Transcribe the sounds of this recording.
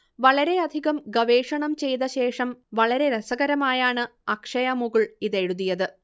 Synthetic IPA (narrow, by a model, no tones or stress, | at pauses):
ʋɐɭɐɾe̞ɐd̪ʱiɣɐmɡɐʋeːʂɐɳɐmt͡ɕe̞jt̪ɐɕe̞ːʂɐmʋɐɭɐɾe̞ɾɐsɐɣɐɾɐmaːjaːɳɨɐkʂɐjɐmuɣɐɭiðe̞ɻuðːijɐðɨ